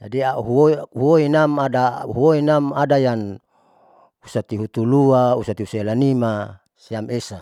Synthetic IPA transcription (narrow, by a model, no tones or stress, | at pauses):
d͡ʒadiaɦuohuoinamadaɦuoinamadajan | usat̪iɦut̪uluausat̪iusaelanima | siamesa